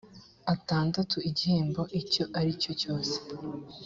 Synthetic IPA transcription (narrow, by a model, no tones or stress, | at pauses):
ataːndatuiɟihe̞ːmbo̞ʔico̞ʔaɾico̞co̞ːse̥